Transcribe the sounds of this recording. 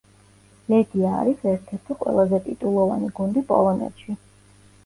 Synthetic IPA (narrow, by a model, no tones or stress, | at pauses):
lɛɡ̪ia̰ːɾisɛɾt̪ʰɛɾt̪ʰiqʼwɛ̰lˠazɛt̪ʼit̪ʼulˠɔva̰niɡund̪ipʼɔ̰lˠɔnɛ̰t̪ʃi